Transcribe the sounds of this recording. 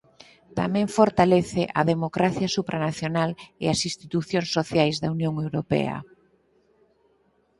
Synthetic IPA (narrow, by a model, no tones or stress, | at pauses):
t̪a̰mɛ̃ŋfoɾt̪aleθeʔɐðemokɾaθjɐsupɾʔanaθjonaleɐsist̪it̪uθjoŋsːoθjajzðɐunjõŋewɾopɛ̰ɐ̰